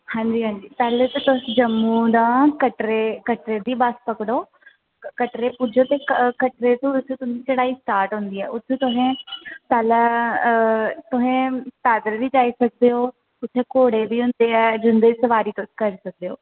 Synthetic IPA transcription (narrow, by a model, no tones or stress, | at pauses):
hãɲd͡ʑiɦãːɲd͡ʑit̪ɛːlet̪ɐt̪ʊɦd͡ʒɐmːud̪ãːkɐʈɾekɐʈɾed̪ibaːspɐkɽo | kɐʈɾepʊd͡ʒʱot̪ekkɐʈɾet̪ũʊt̪ʰt̪ʊɦɪ̃it͡ʃɐɽaːɦisʈaːɾʈɦʊ̃ːnd̪iaːʊt̪ʰt̪ʊɦẽt̪ɛlə | t̪ʊɦẽt̪aːd̪əɾbʱid͡ʒaːisɐk̚ʰd̪ejoː | ʊt̪ʰekoːɽebʱiɦʊ̃ːnd̪eaːd͡ʒʊ̃nd̪esɐʋaːɾit̪ʊt̪ʰkɐɾesɐk̚d̪ejoː